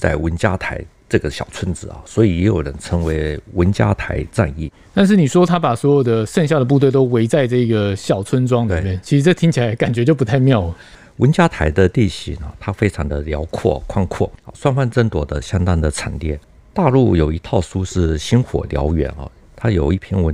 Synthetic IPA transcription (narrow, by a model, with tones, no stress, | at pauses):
t͡sa˥˩ɪwə˧˥nt͡ɕja˥t̪ʰa˧˥ɪʈ͡ʂɤ˥˩ɡə˩ɕjɑ˨˩ʊt͡sʰə˥nt͡sɹ̩˨˩ɐ̰˩swɔ˧˥i˨˩jɛ˧˥jo˨˩ʊɻə˧˥nʈ͡ʂʰə˧˥ŋwe˧˥ɪwə˧˥nt͡ɕja̰˥t̪ʰa˧˥ɪt͡sa̰˥˧ni˥˩ | t̪a˥˧nʂ̬ɻ̩˥˩ni˨˩ʂwɔ˥t̪ʰa˥pa˨˩swɔ˧˥jo˨˩ʊd̪ə˦ʂə˥˧ŋɕ̬jd̪ə˩p̬u˥˧t̪we˥˩ɪt̪o˥ʊwe˧˥ɪt͡sa˥˧ɪʈ͡ʂɤ˥˩i˧˥ɡə˨˩ɕjɑ˨˩ʊt͡sʰwə˥nʈ͡ʂwɑ˥ŋlmjɛ˥˩nt͡ɕʰi˧˥ʂ̩˧˥ʈ͡ʂɤ˥˩t̪ʰi˥ŋt͡ɕʰi˨˩la˧˦ɪka˨˩nt͡ɕɥɛ˧˥t͡ɕjo˥˩ʊp̬u˦t̪ʰa˥˧ɪmjɑ˥˩ʊə˩ | wə˧˥nt͡ɕja˥t̪ʰa˧˥ɪd̪ə˧t̪i˥˩ɕi˨˥ŋɐ̰˧˦t̪ʰa˥fe˥ɪʈ͡ʂʰɑ˧˥ŋd̪ə˧ljɑ˧˥ʊkʰwɔ̰˥˩kʰwa˥˧ŋkʰwɔ̰˥˩˧swa˥˧nfa˥˧nʈ͡ʂə˥nt̪wɔ˨˩d̪ə˦ɕjɑ˥ŋt̪a˥ŋd̪ə˨ʈ͡ʂʰa̰˨˩nt̪jɛ̰˥˩n | t̪a˥˧lu˥˩jo˨˩ʊi˧˥t̪ʰɑ˥˩ʊʂu˥ʂɻ̩˥˩ɕi˥nxwɔ̰˨˩ljɑ̰˧˥ʊɥɛ̰˧˥nɐ̰˨˧˩ | t̪ʰa˥jo˨˩ʊi˥˩pʰjɛ˥nwə˧˦n